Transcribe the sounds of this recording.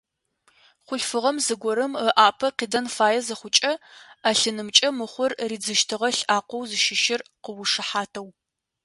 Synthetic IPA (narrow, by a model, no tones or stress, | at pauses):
χʷʊɬfɨʁɐmzɨɡʷɔɾɨməʔaːpʰɐqiːdɐnfaːjɛzɐχʷʊt͡ʃʼɐaːɬɨnɨmt͡ʃʼɐmɨχʷʊrriːd͡zɨʃtʰɨʁɐɬaːqʷɔwzɨʃɪʃɪrqəwʊʂɨħaːtʰɐw